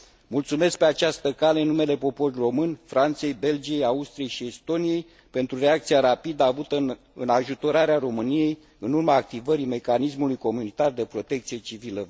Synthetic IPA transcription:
mult̪sume̞sk̚pe̞at͡ʃast̪əkale̞ɨnːume̞le̞po̞po̞rʲro̞mɨnʲfɾant̪se̞jbe̞ld͡ʒije̞jaust̪ɾije̞jʃie̞st̪o̞nije̞j | pe̞nt̪ɾure̞ak̚t̪siaɾapid̪əavut̪ə | ɨnaʒut̪o̞ɾaɾeaɾo̞mɨnije̞j | ɨnurmaːk̚t̪ivəɾime̞kanis̬mulujko̞munit̪ard̪e̞pɾo̞t̪e̞k̚t̪sije̞t͡ʃivilə

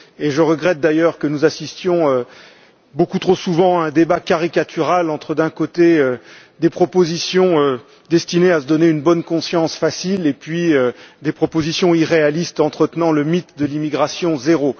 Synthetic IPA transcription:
eʒəʁəɡʁɛt̪̚d̪ajœʁkənuzasist̪jɔ̃ø | bokut̪χosuvɑ̃ɛ̃d̪ebakaʁikat̪ʰyʁalɑ̃t̪χəd̪ɛ̃kot̪eø | d̪epχɔpozisjɔ̃ø | d̪ɛst̪ineasəd̪ɔneynbɔnkɔ̃sjɑ̃sfasilepɥiød̪epχɔpozisjɔ̃iʁealist̪ɑ̃t̪χət̪nɑ̃ləmit̪d̪əlimiɡʁasjɔ̃zeʁo

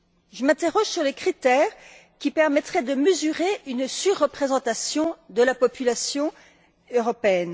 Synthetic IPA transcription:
ʒəmɛ̃t̪eʁɔʒsyʁlekχit̪ɛːʁ | kʲipɛʁmɛt̪χɛd̪əməzyʁeynsyʁːəpχezɑ̃t̪asjɔ̃d̪əlapɔpylasjɔ̃ | øʁɔpeɛn

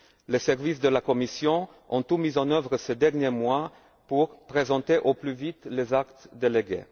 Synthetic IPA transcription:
lesɛʁvis̬d̪əlakɔmisjɔ̃ | ɔ̃t̪umizɑ̃nœvʁəsed̪ɛʁnjemwa | puʁpχezɑ̃t̪eʔoplyvit̪lezakt̪d̪eleɡḛ

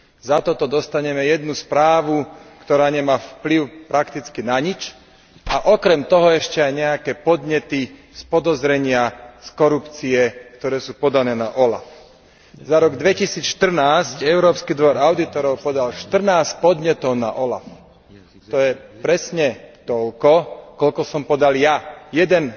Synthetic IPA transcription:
zat̪ɔt̪ɔd̪ɔst̪aɲɛmɛjɛd̪̚nuspɾaːʋukt̪ɔɾaːɲɛmaːfpliʊpɾakt̪it͡skinaɲit͡ʃ | aʔɔkɾɛmt̪ɔɦɔɛʃcɛajɲɛakɛːpɔd̪ɲɛt̪i | spɔd̪ɔzɾɛɲɪaskɔɾupt͡siɛkt̪ɔɾɛːsuːpɔd̪anɛːnaʔɔla̰f | zaɾɔɡd̪ʋɛcisiːt͡sʃt̪r̩naːscɛʊɾɔːpskid̪ʋɔɾaʊd̪it̪ɔɾɔʊpɔd̪alʃt̪r̩naːspɔd̪ɲɛt̪ɔʊna̰ʔɔla̰f | t̪ɔjɛpɾɛsɲɛt̪ɔʎkɔkɔʎkɔsɔmpɔd̪aljajɛd̪ɛn

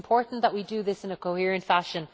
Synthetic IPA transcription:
mpʰɔɹʔn̩ðəʔ̚widɨðɪsɨ̃nɨkʰoʊhɪɹɨ̃ntfæʃɨ̃n

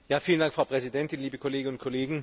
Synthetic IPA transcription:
jaːfiːləndaŋkfʁ̥aʊpʁ̥ɛzidɛntɪnliːbəkʰoleːɡənʊnt̚kʰoleːɡŋ̩

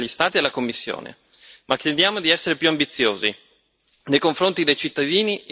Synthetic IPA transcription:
ʎːist̪aːt̪ielakomːisːjo̰ːnḛ | makːjed̪jaːmod̪iɛsːeɾepjuambit̪sːjoːzi | nejkoɱfɾont̪id̪ejt͡ʃit̪ːad̪iːni

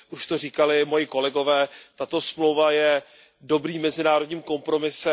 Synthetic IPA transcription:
ʔuʃt̪o̞r̝iːkalɪmo̞jɪko̞lɛɡo̞vɛːt̪at̪o̞smlo̞wvajɛ | do̞bɾiːmːɛzɪnaːɾodɲiːmko̞mpɾo̞mɪsɛ

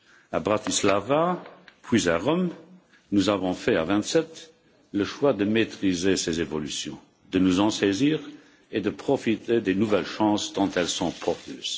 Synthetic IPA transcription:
abʁat̪islavapʰwizaʁɔm | nuzavɔ̃fɛavɛ̃t̪sɛt̪ | ləʃwad̪əmet̪χizesezevɔlysjɔ̰̃ | d̪̥ənuzɑ̃seziːʁ | ed̪əpχɔfit̪ed̪enuvɛlʃɑ̃ːsd̪ɑ̃t̪ɛlsɔ̃pʰɔʁt̪ø̰ːz̥

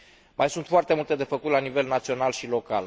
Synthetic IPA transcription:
majsunt̪foart̪e̞mult̪e̞d̪e̞fəkut̪lanive̞lnat̪sio̞nalʃilo̞kal

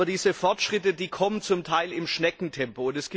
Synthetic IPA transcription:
ɐdiːzəfɔɐtʃʁ̥ɪtədiːkʰɔmənt͡sʊmtʰaɪlɪmʃnɛkŋ̩tʰɛmpoʊntɛsɡ̥i

